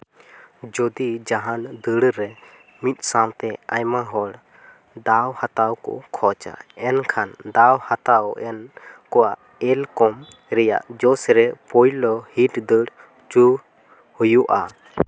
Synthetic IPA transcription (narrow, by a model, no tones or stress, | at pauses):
d͡ʒɔd̪id͡ʒaɦand̪əɽɾɛ | mit̪̚ˀsãwt̪ɛajmaɦɔɽ | d̪awhat̪awkɔ̰kʰɔt͡ʃa̰ɛnkʰand̪awhat̪awʔɛnkɔwaʔ | ɛlkɔm | ɾɛja̰ʔd͡ʒɔsɾɛpɔjlɔhiʈd̪əɽ | t͡ʃu | hujuʔa